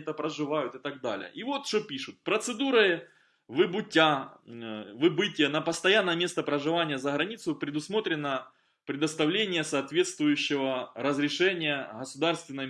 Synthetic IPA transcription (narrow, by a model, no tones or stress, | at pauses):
t̪əpɾəʐɨvajʊt̪ɨt̪aɡ̚d̪alʲɪ̰jə̰ʔivo̞t̪ʂopʲiʂʊt̪̚pɾət̪sɨd̪uɾɨ | vɨbʊtʲa | vɨbɨtʲɪjənɐpɐst̪ɐjanːəjəmʲe̞st̪əpɾəʐɨvanʲɪjəzəɣɾɐnʲit̪sʊpɾʲɪd̪ʊsmo̞t̪ɾʲɪnːə | pɾʲɪd̪əst̪ɐvlʲenʲɪjəsɐːt̪vʲe̞t̪st̪vʊjʉɕːɪvəɾəzɾʲɪʂɛnʲɪjəɣəsʊd̪arst̪vʲɪnːə